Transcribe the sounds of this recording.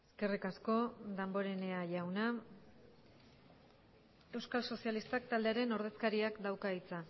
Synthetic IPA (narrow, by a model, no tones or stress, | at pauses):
eske̞rikasko̞d̪ambo̞ɾe̞ne̞aʝawna | e̞wskalso̞sialist̪ak̚t̪ald̪e̞aɾe̞no̞ɾð̞e̞skaɾiakd̪awkait͡sa